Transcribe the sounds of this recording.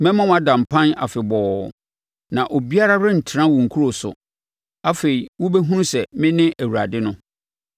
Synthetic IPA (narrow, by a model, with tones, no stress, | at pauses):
mɛ̃˦mã˦w̃a˨dã˨m̩˨pʰã˦na̰˨fɪ˨bɔː˨ | nã˨ʔo˨bi˦a˦ɾa˦ɾɪ̃˦n̩˨tʰɪ˨ɾã˦wʊ̃˨ŋ̩˨kʰu˦ɾo˨sʊ̰˨ | a˦fe˨i˨wʊ˦bɛ˦ɦũ˦nsɛ˨mɪ̃˦nɪ̃˦ʔæ˨wu˨ɾa˨dɪ˦nʊ̃˦